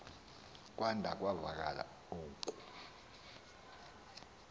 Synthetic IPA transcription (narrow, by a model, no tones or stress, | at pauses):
k̬ʼwandʱak̬ʼwavak̬ʼa̰la̰ | uːkʼu̥